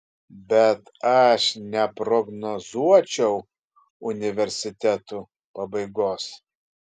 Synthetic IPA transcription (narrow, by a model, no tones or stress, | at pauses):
bʲɛt̪ɐʃnʲɛpɾɔɡnɔzuɔt͡ʃʲɛʊ | ʊnʲɪʋʲɛɾʲsʲɪt̪ʲɛt̪u | pɐbɐɪɡoːs